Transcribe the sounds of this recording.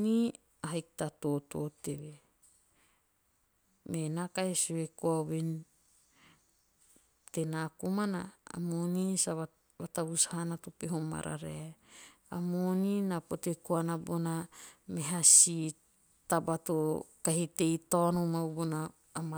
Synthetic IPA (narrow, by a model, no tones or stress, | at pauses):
ni | aɦaiktatototeβe | menakaesuwekuaβen | tenakumana̰ːmonisaβa | βataβushanatopeɦoma̰ɾa̰ɾea | amoninapotekoanabonameɦasi | tabatokaɦite̞jtonomabonaː | ma